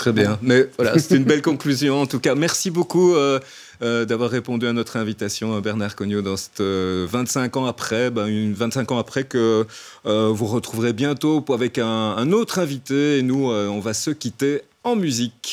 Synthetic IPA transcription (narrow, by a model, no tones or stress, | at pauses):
t̪χɛbjɛ̃mɛvwala̰sɛ̥t̪ynbɛlkɔ̃klyzjɔ̃ɑ̃t̪ukamɛʁsibokuøː | d̪avwaʁːepɔ̃d̪yanɔt̪χɛ̃vit̪asjɔ̃bɛʁnaʁkɔnjod̪ɑ̃sɛ̥t̪øvɛ̃t̪sɛ̃kɑ̃apχɛbɛ̃yvɛ̃t̪sɛ̃kɑ̃apχɛkəː | vuʁət̪χuvʁebjɛ̃t̪oavɛkɛ̃ːnot̪χɛ̃vit̪eːnuøɔ̃vasəkʲit̪e | ɑ̃myzik